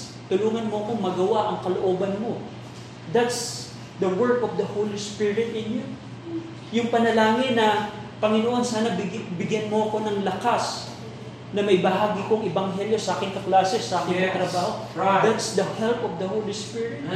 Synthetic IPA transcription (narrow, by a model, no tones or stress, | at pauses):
t̪ʊluːŋɐnmoɐko̞ŋmɐɡɐwaʔɐŋkɐloʔo̞ːbɐnmo̞ | d̪at̪s | d̪ɐwɛɹkovd̪ɐhowlispɪɹɪt̪̚ʔɪnju | jʊŋpɐnɐlaːŋɪnːɐpɐŋɪnoʔonsaːnɐbbɪɡjɐnmo̞ɐko̞nɐŋlɐkas | nɐmɐjbɐɦaːɡiko̞ŋɪbɐŋɦɛljo̞sɐʔaːkɪŋkɐklaːsɛsɐʔaːkɪnkɐt̪ɾɐbaːho | d̪at̪sd̪ɐhɛlpovd̪ɐhowlispɪɹɪt̪